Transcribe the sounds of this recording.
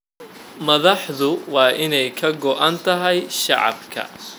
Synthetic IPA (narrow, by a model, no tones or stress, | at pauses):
mɐðɑħðʊwɑːʔɪnɛjkʰɐɡɔʔɐnt̪ʰɐɦɛjʃɑ̰ʕɑ̰bkʰɐ̰